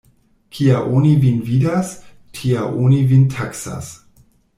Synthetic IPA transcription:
kʰiaʔonivinvidas | tʰiaʔonivintʰaksa̰s

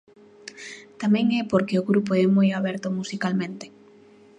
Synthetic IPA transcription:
t̪amɛ̃ŋɛpoɾkeʊɣɾupoɛmojaβɛɾt̪ʊmusikalmẽnt̪e̥

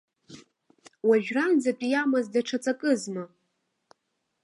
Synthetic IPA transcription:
waʒᶣrand͡zapʼijamazdaʈ͡ʂʰat͡sʼakʼɨzma

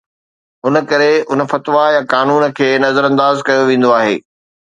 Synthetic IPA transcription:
ɦʊnə̆kɐɾeʊnə̆fɐt̪ʋajãkaːnuːnə̆kʰeːnɐzəɾɐ̃nd̪aːzkɐjoʋẽːn̆d̪oaːɦḛː

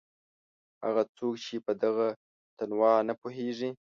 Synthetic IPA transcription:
ha̰ɣat͡sokt͡ʃepəd̪aɣa | t̪anwɑnapoɦeʐi

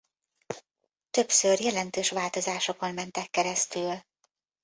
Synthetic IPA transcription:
t̪øpsørjɛlɛnt̪øːʃʋaːlt̪o̞zaːʃoko̞nmɛnt̪ɛkːɛɾɛst̪yl

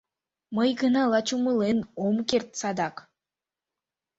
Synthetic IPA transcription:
mɤjɡɯnɑlˠɑt͡ʃumɯlˠenomkʲert̪sɑd̪ɑq

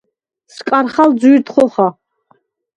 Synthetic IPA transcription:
skʼaɾχald͡zuɾt̪χɔχa

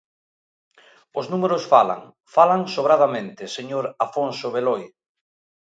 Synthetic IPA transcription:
ʊznumeɾʊsfala̰ŋ | falaŋsoβɾað̞amẽnt̪ɪseɲoɾafonsoβeloj

